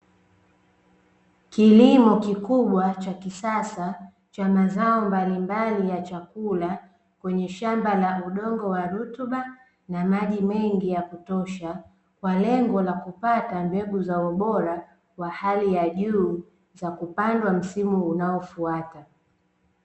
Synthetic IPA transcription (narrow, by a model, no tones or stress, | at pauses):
kilimɔkikuɓwat͡ʃakisasa | t͡ʃamazaɔmbalimbalijat͡ʃakula | kwɛɲɛʃambalauɗɔŋɡɔwaɾutuɓa | namaʄimɛŋɡijakutɔʃa | kwalɛŋɡɔlakupatambɛɡuzaɔɓɔɾa | kwahalijaʄuː | zakupandwam̩simuːnaɔfuata